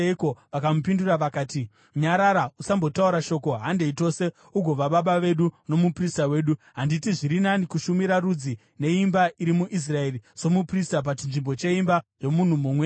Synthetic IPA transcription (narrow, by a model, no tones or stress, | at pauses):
ekoʋakamupinduraʋakaːti | ɲaɾaɾausambo̞tauɾaʃo̞ko̞ɦande̞ito̞se̞ | uɡʱo̞ʋaɓaɓaʋe̞ɗuno̞mupristawe̞ːɗuɦanditiʐiɾinanikuʃumiɾarud͡zi | ne̞imbaiɾimuʔis̬rae̞riso̞mupristap̬at͡ʃinʐimbo̞t͡ʃe̞imbaʐo̞mun̤umumwe